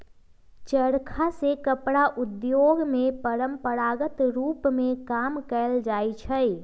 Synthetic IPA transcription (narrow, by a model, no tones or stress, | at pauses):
t͡ʃəɾkʰasekəpɽaʔʊd̪joɡmẽpəɾəmpəɾaɡət̪ɾuːpmẽkaːmkəld͡ʒait͡ʃʰəj